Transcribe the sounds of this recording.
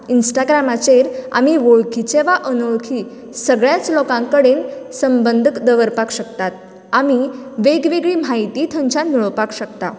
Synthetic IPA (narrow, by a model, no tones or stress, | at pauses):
insʈaɡɾamat͡seɾa̰miʋoɭkʰit͡seʋaʔənoɭkʰiː | səɡɭjat͡slokãŋkəɽensəmbənd̪ʱəkd̪əʋəɾpakɕəkt̪at̪̚ | amiʋeɡʋeɡɭiːm̤ajt̪iːt̪ʰə̃ɲt͡ɕãnmiɭəʋpakɕəkt̪a̰